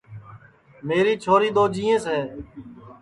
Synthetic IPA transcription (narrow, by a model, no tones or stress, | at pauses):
meːɾiːt͡ʃʰoːɾiːd̪oːd͡ʒiːẽːsɦɛː